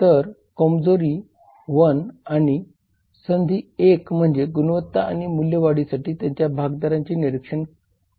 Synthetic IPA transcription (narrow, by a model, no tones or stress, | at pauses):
t̪əɾ | kɔmd͡zoɾiː | ʋənaɽ̃i | sənd̪ʱiːekm̤əɳd͡zeɡunʋət̪ːaa̰ɽimuljəʋaɽisaʈiːt̪jãɲt͡ɕjabʱaɡd̪aɾãɲt͡ɕiːniɾikʂəɳ